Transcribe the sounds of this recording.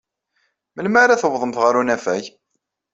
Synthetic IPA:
məlmaɾaθəwðˤəmθʁəɾunæfæj

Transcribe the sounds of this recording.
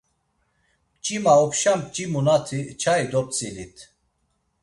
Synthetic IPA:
t͡ʃʼimaɔpʃamt͡ʃʼimunat̪ʰit͡ʃʰaid̪ɔp̚t͡sʼilit̪ʰ

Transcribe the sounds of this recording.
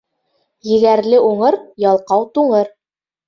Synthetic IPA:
jɘ̆ɡæɾlɘʔuɴɤɾjɑlˠqɑwt̪uɴɤɾ

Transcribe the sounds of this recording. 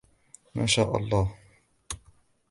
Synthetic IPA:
maːʃaːʔɑ̰lˤːɑːh

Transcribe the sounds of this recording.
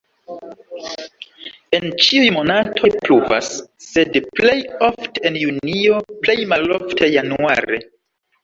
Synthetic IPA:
e̞nt͡ʃiujmo̞natʰo̞jpluva̰sːe̞dple̞jo̞fteenjunio̞plejmalo̞ftʰejanua̰ɾḛ

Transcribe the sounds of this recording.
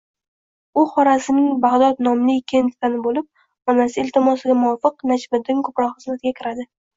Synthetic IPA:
ʊχɒɾasɪnɪŋbaʁd̪ɒt̪nɒmlɪkʲʰe̞nt̪fanɪbolɪp̚ | ɒnasɪɪlʲt̪ʰɪmɒsɪɡʲamʊɒfɨqnad͡ʒbɪɾd̪ɪŋkʰopɾɒqχɨzmat̪ɡʲakʲʰɪɾad̪ɪ

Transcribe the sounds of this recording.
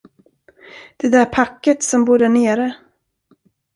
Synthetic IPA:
d̪̥ɛd̪æɾpʰakːət̪sɔmbuːɖæɳeːɾə

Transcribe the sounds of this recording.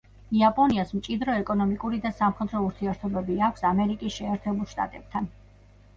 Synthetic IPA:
iapʼɔniasmt͡ʃʼid̪ɾɔɛkʼɔnɔmikʼuɾid̪asamχɛd̪ɾɔuɾt̪ʰiɛɾt̪ʰɔbɛbiakʷʰsamɛɾikʼisʃɛːɾt̪ʰɛbulˠʃt̪ʼa̰t̪ʼɛb̥̚t̪ʰan

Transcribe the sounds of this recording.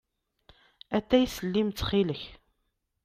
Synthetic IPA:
æt̪ːæjsəlːimt͡sːχiləç

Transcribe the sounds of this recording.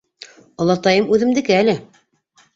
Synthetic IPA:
ŏlˠɑt̪ɑjɤmʉðɘ̆md̪ɘ̆kɘælɘ

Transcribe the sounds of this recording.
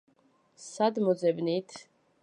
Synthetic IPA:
sad̪mɔzɛbnit̪ʰ

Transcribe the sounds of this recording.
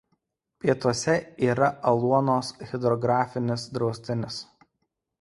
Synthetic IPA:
pʲiɛt̪uɔsʲɛiːɾɐʔɐlˠuɔnoːsɣʲɪd̪ɾɔɡɾɑːfʲɪnʲɪsd̪ɾɒʊsʲt̪ʲɪnʲɪs

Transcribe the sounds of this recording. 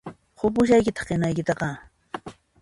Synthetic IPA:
hʊpʊʃ̬ajkɪt̪ɑ̥χqenajkɪt̪ɑqɑ

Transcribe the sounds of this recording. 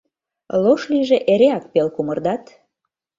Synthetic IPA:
loʃliʒeʔeɾeɑk̚pelkumərd̪ɑt̪

